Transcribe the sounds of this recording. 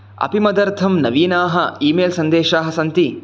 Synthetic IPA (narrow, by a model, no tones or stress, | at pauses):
ɐ̰pimɐd̪ɐɾt̪ʰɐmnɐʋiːnaːɦɐiːmeːlsɐnd̪eːʃaːɦɐsɐnt̪i